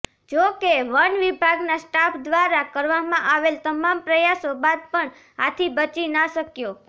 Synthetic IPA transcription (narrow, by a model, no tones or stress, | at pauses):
d͡ʒokeʋənʋibʱaɡnasʈapʰd̪ʋaɾakəɾʋamãʔaʋelt̪əmampɾəjasobad̪̚pəɳ | at̪ʰibət͡ʃinaʃəkjo